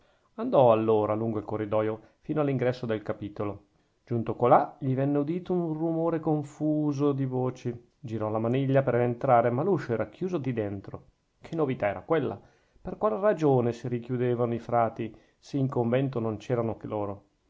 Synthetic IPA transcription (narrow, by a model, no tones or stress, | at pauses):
and̪ɔalːoːɾaluŋɡoilkorːid̪ɔːjo | fiːnoalːiŋɡɾɛsːod̪elkapiːt̪olo | d͡ʒunt̪okolaʎivɛnːeud̪iːt̪ounrumoːɾekoɱfuːzod̪ivoːt͡ʃe | d͡ʒiɾɔlamaniʎːapeɾent̪ɾaːɾemaluʃːoɛːɾakʰjuːzod̪id̪ent̪ɾo | kʰenːovit̪aɛːɾakwelːa̰ | perkwaːlrad͡ʒoːnesiɾikjud̪eːvanoifɾaːt̪i | seiŋkoɱvɛnt̪onont͡ʃɛːɾanokeloːɾo